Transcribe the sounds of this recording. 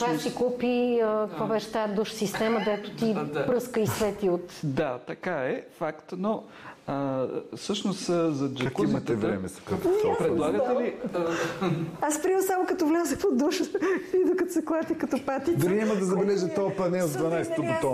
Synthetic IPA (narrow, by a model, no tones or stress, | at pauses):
asikupiəkkvobɛʃt̪aɛd̪uʃsist̪ɛməd̪ɛt̪ʊ̥t̪ipɾɤskəisvɛt̪iot̪d̪at̪ɐkaɛfakt̪no | əsɤʃnoszɐd͡ʒɐkimɐt̪ɛvɾɛ̰mɛsɐ̥kat̪ɔpɾɛd̪lˠaɡət̪ɛli | aspɾisamʊkɐt̪ɔvlʲazəxpod̪uʃəid̪okɐseklˠat̪ikɐt̪ɔpat̪id̪ʊɾiɛməd̪ɐzɐbɛlɛʒət̪ɔpɐnɛzd̪vɐnajsɛt̪od̪ot̪ɔ